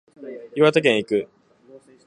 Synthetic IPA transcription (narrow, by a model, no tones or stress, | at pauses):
iβat̪ak̬ẽɰ̃ikɯ̟